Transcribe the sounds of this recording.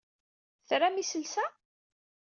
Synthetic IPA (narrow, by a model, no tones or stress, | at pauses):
θɾamisəlsæ